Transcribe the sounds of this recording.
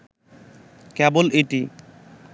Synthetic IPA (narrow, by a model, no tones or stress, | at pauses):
kɛbolʔiʈi